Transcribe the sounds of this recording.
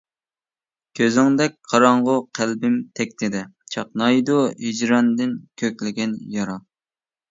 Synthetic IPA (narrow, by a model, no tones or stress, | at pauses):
kʲʰøzɪŋd̪ɛk̚ʲqʰɑɾɑɴʁʊqʰælbɪmt̪ʰɛk̚ʲt̪ɪd̪ɪt͡ʃʰɑq̚nɑjd̪uɦid͡ʒɾɑnd̪ɪnkʲʰøkʲlɪɡʲɛnjɑɾɑ